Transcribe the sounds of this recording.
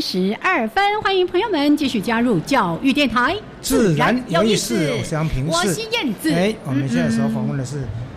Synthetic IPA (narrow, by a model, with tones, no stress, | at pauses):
ʂɻ̩˧˥ɐ˞˥˩fə˥nxwa˥ni˧˥ŋpʰɤ˧˥ŋjo˧ʊmə˧˦nt͡ɕi˥˧ɕy˥˩t͡ɕja˥ɻu˥˧t͡ɕjɑ˥˧ʊy˥˧jɛ˥˩nt̪ʰa˧˥ɪ | t͡sɹ̩˥˧˩ɻa˧˥˦no˧˥˨ʂɻ̩˥˩ɔ˨˩˥jɑ˥ŋpʰi˧˥ŋɔʂ̩˧˥ɕi˥jɛ˥˧nt͡sɹ̩˨˧e˥ɪwɔ˨˩mə˦njɛ˥˧na˥˩˧ɔ˥˧˩fɑ̰˨˩ŋwə˥˩nd̪ə˩ʂɻ̩˥˩